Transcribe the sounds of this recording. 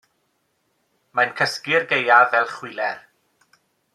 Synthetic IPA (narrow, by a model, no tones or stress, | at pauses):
majnkʰəskɪrɡejavɛlˠχwɪlɛr